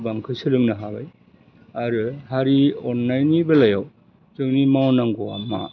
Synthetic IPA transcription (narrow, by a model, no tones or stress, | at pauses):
baŋkʰɯsɯlɯŋnaɦaba̰j | aɾɯhaɾiɔnːajnibɐlɐjaw | tɯŋnimawnaŋɡoa̰ma̰